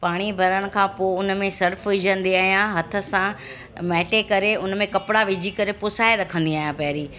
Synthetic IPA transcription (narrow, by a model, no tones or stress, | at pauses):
paːɽ̃ibʱɐɾəɽ̃̆kʰãːpoʊnmẽsɐɾfʋɪd͡ʑə̃nd̪iaːɦijãɦɐt̪ʰə̆sã | mɛːʈekɐɾeʊnmẽkɐpɽaʋɪd͡ʑʱikɐɾepʊsaːeɾɐkʰə̃nd̪iaːɦijãpɐɦɾiː